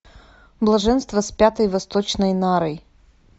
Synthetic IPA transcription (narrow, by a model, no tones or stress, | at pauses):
blˠɐʐɛnst̪vɐspʲat̪əjvɐst̪ot͡ɕnəjnaɾəj